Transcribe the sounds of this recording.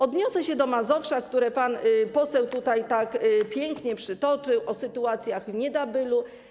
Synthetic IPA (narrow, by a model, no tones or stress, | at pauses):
ɔd̪ɲɔsɛɕɛd̪ɔmazɔfʂakt̪uɾɛpanpɔsɛwt̪ut̪ajt̪akpʲjɛŋkɲɛpʂɘt̪ɔt͡ʂɘwʔɔsɘt̪uat̪sʲjaɣvɲɛd̪abɘlu